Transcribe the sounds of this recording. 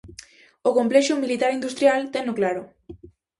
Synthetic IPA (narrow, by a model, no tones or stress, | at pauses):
okomplɛʃomilit̪aɾind̪ust̪ɾjalt̪enoklaɾo